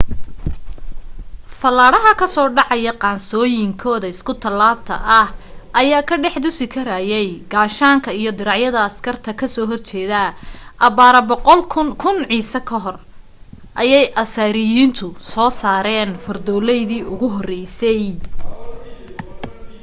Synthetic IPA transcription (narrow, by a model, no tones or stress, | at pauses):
fɐlaːɽɐɦɐkʰɐsɔːɖɑʕɑjɐqɑːnsɔːjɪŋkʰɔːðɐɪskʰʊt̪ʰɐlːaːb̚t̪ʰɐ̰ʔɐhʔɐjaːkʰɐɖɛħd̪ʊsɪkʰɐɾaːjɛjɡaːʃaːŋkʰɐijɞd̪ɪɾɑʕjɐðɐːskʰɐrt̪ʰɐkʰɐsɔːɦɔrt͡ʃɛːðaʔɐβaːɾɐbɔqɔlʰkʰʊnʕiːsɐkʰɐɦɔr | ʔɐjɛjʔɐsɐɾɪjiːnt̪ʰʊsɔːsaːɾɛːnfɐrd̪ɔːlɛjðiːʔʊɣʊɦɔrɛjsɛj